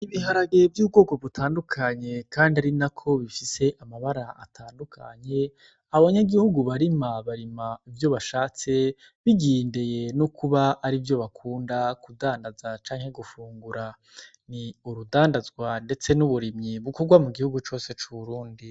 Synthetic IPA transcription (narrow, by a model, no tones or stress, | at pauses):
iβiɦaɾaɡe̞vjuːb̚ɡo̞ːɡo̞βutʰaːndukʰaɲe̞kaːndiaɾinakʰo̞βifise̞ʔamaβaɾaʔa̰tʰaːndukʰa̰ɲe̞ | aβaβaɲaɡihuɡuβaɾimaβaɾimaivjo̞βaʃaːt͡se̞ | βiɡiːndeje̞nukʰuβaːɾivjo̞βakʰuːndakudaːndazat͡ʃaːŋhe̞ɡufuːŋɡuɾa | niuɾudaːndazɡwande̞t͡se̞nuβuɾimɲiβukoɡwamuɡihuɡut͡ʃo̞ːse̞t͡ʃuβuɾuːndi